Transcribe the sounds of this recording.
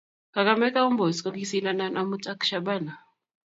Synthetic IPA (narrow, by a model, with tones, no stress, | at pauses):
ka˨ka˦mɛ˦ka˦u˦mbɔ˨si̥˨kɔ˦ki˦si˦na˦na˦nʔa˦mu˦tʼa˦kʃa˦ba˦˨na˨